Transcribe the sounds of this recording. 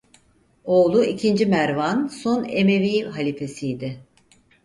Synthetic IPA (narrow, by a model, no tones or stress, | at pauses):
o̞ːlˠuicʰind͡ʒimæɾvanso̞neme̞vijɦalʲife̞sijːd̪ɪ